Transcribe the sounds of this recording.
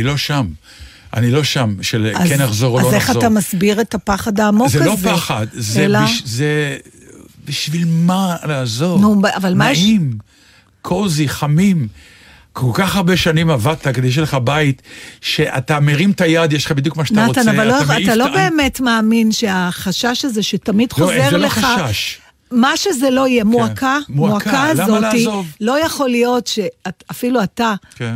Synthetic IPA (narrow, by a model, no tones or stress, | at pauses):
ilo̞ʃam | ʔa̰nilo̞ʃamʃelazkenaχzo̞ʁoloeχatamasbiʁetapaχad̪aːmozelopaχad̪zelaiʃze | biʃvilmalaːzo̞nuavalmaim | kʰoziχamim | kʰo̞lkaχhaʁbe̞ʃanimavad̚t̪aked̪eʃ̬eleχabait̪ʃeʔa̰t̪ameʁimtajad̪jeʃle̥χabid̪jukmaʃanaaotanavalːoat̪alo̞be̞ːmetmeːminʃe̞aχaʃaʃaze̞ʃetamid̥χozeʁleχaʃaʃ | maʃezelo̞ijemuakʰammuakaazzo̞tivlo̞jaχo̞lijo̞tʃe̞aafiluataken